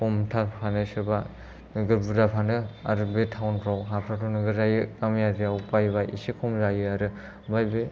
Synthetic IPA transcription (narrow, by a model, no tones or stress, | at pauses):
kumtʰapʰanɯsɯɾba | nɯɡɯɾbudapʰanɯa̰ɾɯbetʰawnpʰɾawɦapʰɾatʰɔnɯɡɯɾzajɯkamjazijawpajbaʔḭsikʰumzajɯaɾɯ | bajbe